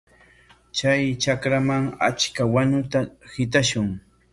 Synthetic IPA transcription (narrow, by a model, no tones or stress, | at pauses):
t͡ʃajt͡ʃakɾamaŋa̰t͡ʃkawaɲʊt̪ahɪt̪̬aʃʊŋ